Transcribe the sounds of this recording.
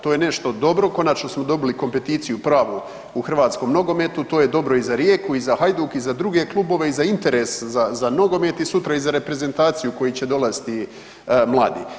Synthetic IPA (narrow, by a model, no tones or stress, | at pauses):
t̪oːjene̞ʃt̪o̞d̪o̞bɾo̞ko̞nat͡ʃnosmo̞d̪o̞biliko̞mpe̞t̪iːt̪sijupɾaːʋu | uxr̩ʋaːt̪sko̞mno̞ɡo̞me̞t̪ut̪o̞ːje̞d̪o̞bɾo̞izaɾjeːkuizaxajd̪ukizad̪ɾuɡe̞klˠubo̞ʋe̞izaint̪e̞ɾe̞szazano̞ɡo̞me̞t̪isut̪ɾaizaɾe̞pɾe̞ze̞nt̪aːt̪sijuko̞jit͡ɕe̞d̪o̞last̪i | mlˠa̰ːd̪ḭː